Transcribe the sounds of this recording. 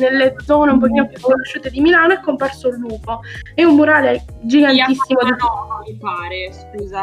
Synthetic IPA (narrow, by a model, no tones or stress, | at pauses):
nelːed̪zɔːneumpokiːnopjukːonoʃːuːt̪ed̪imilaːnoɛkːomparsolːuːpoeumːuɾaːleɛ | d͡ʒiɡant̪isːimod̪ifɔipaːɾeskuːza